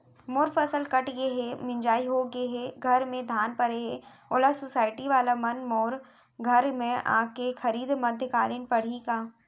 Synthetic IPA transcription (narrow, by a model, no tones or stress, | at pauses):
moːɾfɐsəlkɐʈjeɦemɪ̃ɲd͡ʒaːiɦoɡeɦeɡʱɐɾmẽd̪ʱaːnpɐɾeɦɛoːlasʊsaːɪʈiʋaːlamɐnmɔːɾ | ɡʱɐɾmẽʔã̰ːkexɐɾiːd̪mɐd̪ʱjəkaːɾənpɐɽ̤ikaː